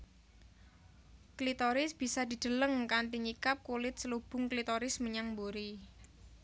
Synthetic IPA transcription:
klit̪ɔɾɪsb̥i̤sad̪̥i̤d̪̥ə̤ləŋkant̪iɲikap̚kulɪt̪̚səlub̥ʊ̤ŋklit̪ɔɾɪsməɲaŋmboɾi

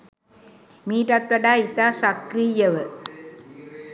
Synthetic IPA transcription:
miːʈɐt̪ɾɐɖaːit̪aːsɐkɾijɐʋɨ

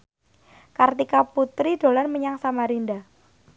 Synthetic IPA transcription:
kart̪ikaput̪ɾid̥o̤lanməɲaŋsamaɾinda

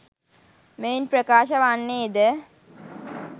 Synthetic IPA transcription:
meːnpɾəkaːʃɐʋanːeːd̪ə

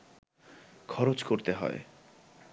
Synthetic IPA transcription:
kʰɔɾot͡ʃkoɾt̪eɦɔ̰ḛ

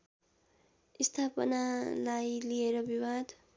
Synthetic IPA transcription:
ist̪ʰapʌ̰nalajlieɾʌbiwad̪

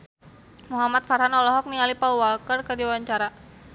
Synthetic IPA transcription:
muɦamat̪̚faɾɦanɔlɔɦɔk̚nialipauwalkərkərdiwaɲt͡ʃaɾa

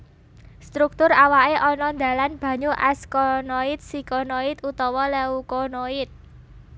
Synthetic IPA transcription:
st̪ɾuk̚t̪ʊɾawaeʔɔnɔnd̪ä̤lanb̥ä̤ɲuʔɛskɔnoit̪̚sikonoit̪ut̪ɔwɔlɛukonoɪt̪̚

